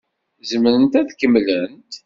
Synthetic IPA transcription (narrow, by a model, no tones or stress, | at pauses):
zəmɾənt̪æðkəmlənt̪